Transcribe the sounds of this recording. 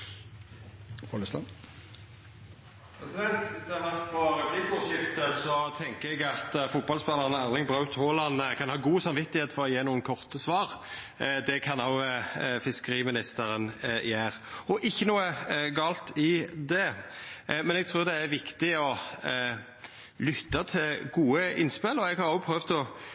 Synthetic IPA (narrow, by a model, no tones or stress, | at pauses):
pɔləst̪ɑn | pʰɾɛsɪd̪ɛnt̪d̪ɛɑʋæʁt̪bɑːɾəɡ̪ibʊʃɪft̪əsɔt̪ʰɛŋkəɛɡɑt̪fʊt̪̚bɑlspɛlːəʁənɑʁnɪŋbʁɑʉt̪hoːlɑnkʰɑnhɑːɡuːsɑnʋɪt̪ːɪheːt̪fɔʁɔjeːnuːənkʰɔʁt̪əsʋɑːʁ | d̪ɛkʰɑnoʊfɪskəɾiːmɪnɪst̪əɾənjæːɾɔʔɪçːənuːəɡɑːlt̪ɪd̪ɛ | mɛnɛɡ̚t̪ʰɾuːʁd̪ɛæɾʋɪkt̪ɪɔ | lʏt̪ːɑt̪ʰɪlɡuːəʔɪ̰nspɪlɔɛɡhɑɾjoʊpʰɾøːʋd̪ɔ